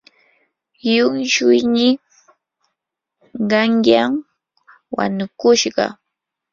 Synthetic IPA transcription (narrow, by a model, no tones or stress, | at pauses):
jʊŋʃʊjnɪ | ɢɑŋjam | wa̰nʊkʊʃɢɑ̰